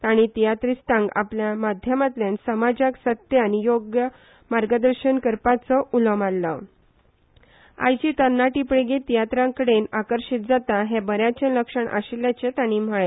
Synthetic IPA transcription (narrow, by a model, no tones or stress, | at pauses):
t̪aɽ̃it̪ijat̪ɾist̪ãŋɡa̰pljamad̪ʱjəmat̪ljansəmad͡ʑaksət̪janijoɡjə | maɾɡəd̪əɾɕənkəɾpat͡səʔuləmalːə | a̰jd͡ʑit̪ənːaʈipɽeɡet̪ijat̪ɾãkəɽenakəɾɕit̪̚d͡zat̪aɦebəɾjat͡ɕẽləkʂəɳʔa̰ɕiljat͡ɕet̪aɽ̃im̤əɭe